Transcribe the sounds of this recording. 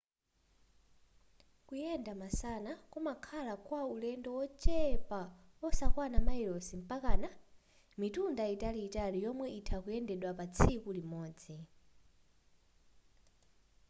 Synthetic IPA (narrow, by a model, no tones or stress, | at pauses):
kujɛndamasanakumakʰalakwaulɛndɔwɔt͡ʃɛpa | ɔsakwanamailɔsim̩pakaːna | mitundaitaliːtalijɔmwɛitʰakujɛndɛɗwapat͡sʰikulimɔːd͡zi